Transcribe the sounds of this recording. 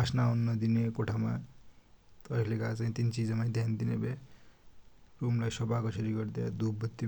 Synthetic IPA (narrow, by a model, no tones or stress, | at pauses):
asnaunːʌd̪inekoʈʰama | t̪ʌakʰlekat͡saĩt̪int͡sid͡zʌmad̪ʱjand̪inebe | rumlajsʌpakʌsʌɾiɡʌrd̪ja̰d̪ubʌt̪ːi